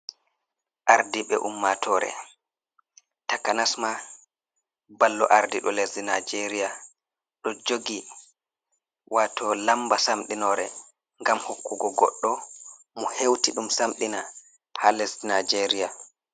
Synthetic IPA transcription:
ʔaɾdiɓɛ̰ʔumːatʰɔɾɛ̰ | takanasma | balːɔʔaɾdiɗɔlesdinajd͡ʒeɾija | ɗɔd͡ʒoɡi | wʔatʰɔlambasamɗinɔɾɛ̰ | ŋɡamhokːuɡɔɡɔ̰ɗːɔ | mɔhewtiɗumsamɗina | pʰalɛsdnajd͡ʒeɾija

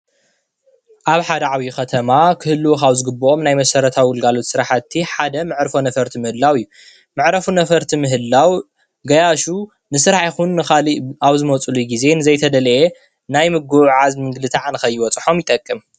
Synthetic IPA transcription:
ʔaβħad̪ɐʕawijuxɐt̪ʰɐmakʰɨhɨlːukaβzɨɡɨbːoʔo̞mnajmɐsɐɾɐt̪ʰawiwʊlɡalo̞t̪sɨɾaħat̪ʰːiħad̪ɐmɨʕɾfonɐfɐɾt̪ʰimɨhɨlːawɨjːu | mɨʕɾɐfunɐfɐɾt̪ʰimɨɦɨlːaw | ɡɐjaʃu | nɨsɨɾaħajxunːɨxaliaβzɨmɐt͡sʼuluɡize̞nɨzɐjt̪ʰɐd̪ɐlʔe | najmɨɡuʕazmɨŋɡlɨt̪ʰaʕanɨxɐjːɪwɔt͡sʼħo̞mjɪt̪ʼɐkʼːɨm

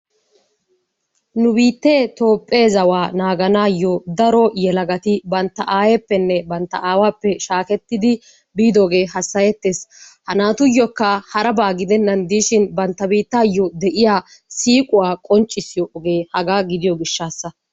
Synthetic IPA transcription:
nʊbiːt̪ːe̞ːt̪o̞ːpʼːe̞ːzɐwaːnaːɡɐnaːjːɔd̪ɐɾɔjɛlɐɡɐt̪ɪbɐnt̪ːɐʔaːjepːɛnːɛbɐnt̪ːɐ̰ʔaːwaːpːɛʃaːkɛt̪ːɪd̪ɪ | biːd̪oːɡe̞ːɦɐsːɐjɛt̪ːe̞ːshɐnaːt̪ʊjːɔkːɐhɐɾɐbaːɡɪd̪ɛnːɐnd̪iːʃɪnbɐnt̪ːɐbiːt̪ːaːjːɔd̪ɛʔɪjaː | siːkʼʊwaːkʼɔnt͡ʃʼːɪsɪjɔʔɔɡe̞ːhɐɡaːɡɪd̪ɪjɔɡɪʃːaːsːɐ

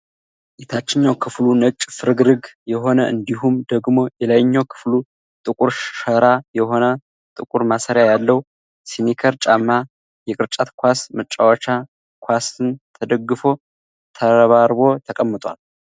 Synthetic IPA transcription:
jet̪ʰat͡ʃːɪɲːawkʰɨflunət͡ʃʼfɨɾɨɡɾɨɡjɛɦo̞nəʔɨnd̪iɦumd̪əɡmo̞jɛlajɲːawkʰɨ̥flu | t̪ʼɨkʼuɾʃəɾajɛɦo̞nə | t̪ʼɨkʼuɾmasəɾjajalːəwu | senekʰəɾt͡ʃʼamːa | jɛkʼɨɾt͡ʃʼat̪kʷasmɨt͡ʃʼːawət͡ʃa | kʰʷwasɨnt̪ʰəd̪əɡːɨfo̞ | t̪ʰəɾəβaɾbo̞t̪ʰəkʼəmːɨt̪ʼwa̰l

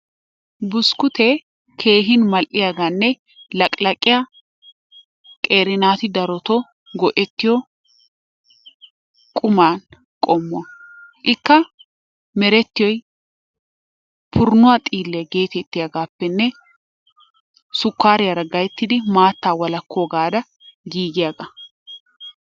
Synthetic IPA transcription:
bʊskʊt̪ɛ | kʰe̞ːɦɪnmɐlʔɪjaːɡaːnːɛ | lɐkʼlɐkʼːɪja | kʼe̞ːɾɪnaːt̪ɪd̪ɐɾɔt̪ɔ | ɡɔʔɛt̪ːɪjɔ | kʼʊmaːn | kʼomːʊɐʔɪkːɐ | mɛɾɛt̪ːɪjɔj | pʰʊɾnʊwat̪ʼiːlːɛjɐɡeːt̪ɛt̪ːɪjaɡaːpːɛnːɛ | sʊkːaːɾɪjɐɾɐɡɐjɛt̪ːɪd̪ɪmaːt̪ːaːwɐlɐkːoːɡaːd̪ɐ | ɡiːɡɪjaːɡɐ

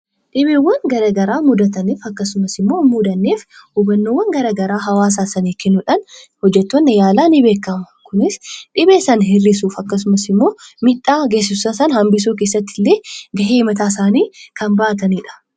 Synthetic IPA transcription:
ᶑɪbiwːɐŋɡɐɾɐɡɐɾaːmʊd̪ɐt̪ɐniːfɐkːɐsʊmɐsɪmːo̞ːmud̪ɐnːeːfhʊbɐnːoːwːɐŋɡɐɾɐɡɐɾaːɦɐwaːs̬aːsɐneːkːɛnːʊᶑɐnhɔd͡ʒːɛt̪ːonːɛjaːlaːnɪbe̞ːkːɐmɐkʊnɪsᶑɪbeːsɐnɦɪrːɪsuːfɐkːɐs̬ʊmɐsɪmːo̞ːmɪᶑʼaːɡeːs̬ɪssɐsɐnhɐmbɪs̬uːk̬eːsɐt̪ːɪlːeːɡɐɦeːmɐt̪aːsaːniːkɐmbɐʔɐt̪ɐniːᶑɐ̥

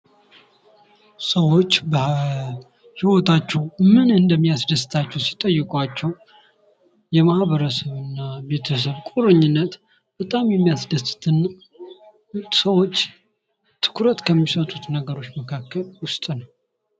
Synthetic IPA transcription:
səwo̞t͡ʃːb | hiwo̞t̪ʰat͡ʃːɛwmɨnɨnd̪əmːijasd̪əsɨt̪ʰat͡ʃːɛwsi̥t̪ʼəjːɨkʼwat͡ʃːɛw | jɛmahβəɾəsəβɨnːabe̞t̪ʰəs̬əβkʷʼuɾɨɲːɪnːət̪ | b̥ət̪ʼamjɛmːijasd̪əst̪ʰɨn | səwo̞t͡ʃː | t̪ʰɨ̥kʰɾət̪kʰəmːisət̪ʼut̪nəɡəɾo̞t͡ʃːməkʰakːəlwʊst̪ʼnəw

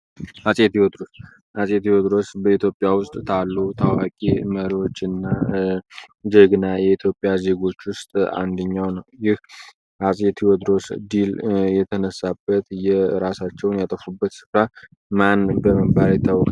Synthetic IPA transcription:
ʔasʼet̪iod̪ɾo̞s | ʔasʼet̪iwod̪ɾo̞sbəit̪ʰjopʼːjawʊst̪ʼt̪ʰalːut̪ʰawakʼiməɾio̞t͡ʃːɨnːa | d͡ʒəɡɨnajɛit̪ʰjo̞pʼjaze̞ɡo̞t͡ʃːwʊst̪ʼa̰nd̪əɲːawnəwjɪh | ʔasʼet̪ʰiwod̪ɾo̞sd̪iljɛt̪ʰənəsabːət̪jɛɾasat͡ʃːɛwnjat̪ʼəfubːət̪sɨ̥fɾa | manbəməɡbaɾjɛt̪ʰːawkʼ

